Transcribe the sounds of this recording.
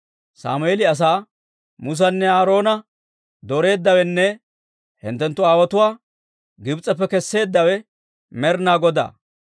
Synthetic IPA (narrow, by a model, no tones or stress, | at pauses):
sa̰ːmʊeːlɪɐs̬aː | mʊs̬ɐnːɛaːɾo̞ːnɐ | d̪ɔɾe̞ːd̪ːɐwɛnːɛ | hɪ̰nt̪ːɛnt̪ːʊaːwɐt̪ʊwaː | ɡɪbt͡sʼɐpːɛkɛsːe̞ːd̪ːɐwɛ | mɛɾnaːɡɔd̪a̰ː